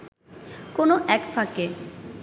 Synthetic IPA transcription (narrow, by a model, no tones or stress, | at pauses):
konoʔɛkfake